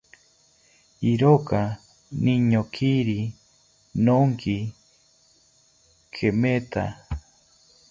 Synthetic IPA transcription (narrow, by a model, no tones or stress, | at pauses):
iɾoka | niɲokʰiɾi | noŋki | kʰemet̪a